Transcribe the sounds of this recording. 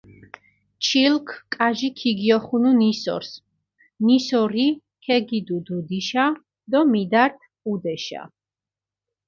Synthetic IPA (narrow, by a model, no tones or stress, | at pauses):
t͡ʃʰilkʰkʼaʒikʰiɡiɔχununisɔ̰ɾs | nisɔɾi | kʰɛɡid̪ud̪ud̪iʃa | d̪ɔmid̪aɾt̪ʰ | ud̪ɛʃa̰